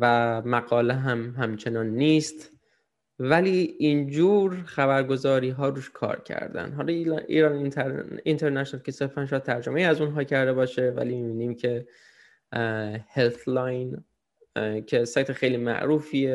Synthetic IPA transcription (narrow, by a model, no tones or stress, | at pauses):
væmæɡɒːleɦæmɦæmt͡ʃʰe̞nɒːnːiːst̪ | væliːind͡ʒuːɾxæbæɾɡo̞zɒːɾiːɦɒːɾuːʃkʰɒ̰ːɾcʰæ̰ɾd̪æ̰nd̪ɦɒːlɒḭːɾɒnʰint̪ʰeɾnæʃonælkcʰe̞seɾfænʃt̪ʰæɾd͡ʒomejiæzunɦɒːcʰæɾd̪e̞bɒːʃevæ̰liːmibiːniːmcʰe̞ | helt̪lɒjn | cʰesɒːjt̪ʰexejliːmæ̰ʔɾuːfiːe